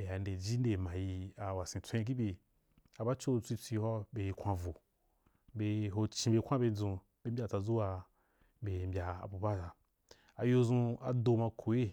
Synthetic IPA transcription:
e˨a˨nde˨d͡ʒi˦nde˨mã˨ji˧a˨wa˨sĩ˨t͡sʷẽ˦i˦˧k̬i˦bʲe˧ | a˨ba˦t͡ʃo˦t͡sʷi˧t͡sʷi˧hɔ˦be˧ji˧kʷa˧vo˨ | be˧ɦo˧t͡ʃĩ˧be˧kʷa˦be˧d͡zũ˧ | be˦m̩˦bʲa˧˨t͡sa˧d͡zu˦wa˧ | be˨mbʲa˨a̰˨bu˨ba˦ta˧ | a˨jo˧zũ˧a̰˨do˧mã˧kʰo˨je˦

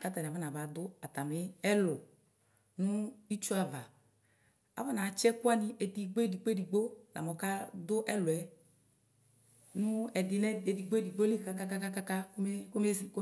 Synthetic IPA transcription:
ka˦ta˨ni˨a˨va˦na˨va˨d̪ʊ˦a˨t̪a˨mɪ˦ɛ˦lʊ˨ | nʊ̃˦i˦t͡ʃu˦a˨va˨ | a̰˨va˦na˨˦t͡ʃɛ˦ku˦a˦ni˧ʔɛ˨di˨ɡ͡bo˦e˦di˨ɡ͡bo˦e˦di˨ɡ͡bo˦la̰˨mɔ˨ka˦d̪ʊ˦ʔɛ˦lwɛ˨ | nʊ̃˦ɛ˨dɪ˨nɛ˦e˨di˨ɡ͡bo˦e˦di˨ɡ͡bo˦li˦ka˦ka˦ka˦ka˦ka˦ka˦ke˦ko˦me˦˨k

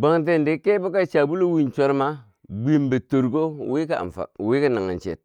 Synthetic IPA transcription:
ba˨ŋt̬e˦˨nde˨˦ke˦bo˦ka˦t͡ʃa˨bu˦lo˦wi˦˨nt͡ʃo˦ɾma˦ | ɡ͡bi˦mbe˨to˨ɾko˦wi˦ka˦˨a̰˨mfa̰˨wi˦ka˦na˨ŋa̰˨nt͡ʃḛ˨t̚

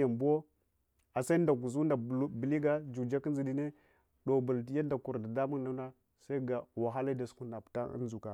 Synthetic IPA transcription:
a˨mbo˦ | a˨sa˦nda˨ku˨zu˦nda˨˦bi˨li˦ɡa˦d͡ʒu˨d͡ʒa˦ki˦zi˨ɗi˨ne˦ | ɗo˨bu˨ltja˦nda˨ku˨ɾda˨da˦mu˦na˦na˦ | sa˦i˦ɡa˨wa˨ɦa˦la˦da˨sku˦na˨pta˦ə̰˦nzu˨ka˨

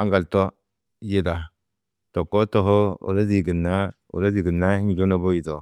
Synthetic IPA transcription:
a˦ŋɡa˨lto˦ | ji˦da˨ | to˨kːo˦to˦˨ɦo˦o̰˨la˦zi˨ɡi˨nːa˦ | ṵ˨la˦zi˨ɡi˨nːa˦ŋi˨d͡ʒo˦no˦bo˦ji˨to˨

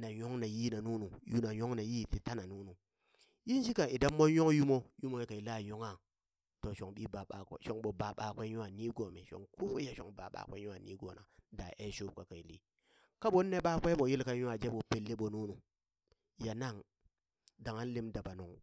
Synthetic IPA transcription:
na˨jo˦ŋna˨ji˦na˨nu˦nu˨ju˦na˨jo˦ŋna˨ji˦˨ti˨ta˦na˨nu˦nu˨ | ji˦n˦ʃi˦ka˨i˨da˦mːo˦njo˦ŋju˦mo˦ju˦mo˦je˦ka˨i˨la˦˨jo˦ŋa˦˨ | to˨ʃo˨ŋɓi˦ba˨ɓa˨kʷḛ˨˦ʃo˨ŋɓo˨ba˨ɓa˨kʷe˦u˦a˨ni˦ɡo˨me˨ʃo̰˨ŋko˦ja˦ʃo̰˨ŋba̰˨ɓa̰˨kʷe˦ju˦a˨nḭ˦ɡo˨na̰˨da˨ʔe˦ʃo˦b̚ka˨ka˨i˨lḭ˦ | ka˦ɓo˦nːe˦ɓa˦kʷe˦ɓo˨ji˦lka˦u˦a˨d͡ʒe˦ɓo˨pe˨lːe˦ɓo˨nu˦nu˨ | ja˨na˦˨ŋ | da˨ŋa˦n˦li˦mda˨ba˨nu˨ŋ

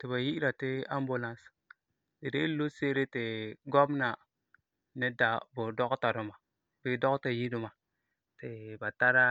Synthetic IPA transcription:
ti˨βa˨ji˦ɾa˨tɪ˦a˦mbu˨la˦ns | di˨de˦lo˦se˦ɾe˦tɪ˨ɡo˦bna˨ | nɪ˦da˨bʊ˨dɔ˦kta˨ɾʊ˨ma˨ | bi˦dɔ˦kta˨ji˦du˨ma˨ | tɪ˨ba˨ta˦ɾa˦

